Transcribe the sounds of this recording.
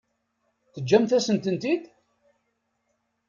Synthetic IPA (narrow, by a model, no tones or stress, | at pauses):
θəd͡ʒːæmθæsənt̪ənt̪id̪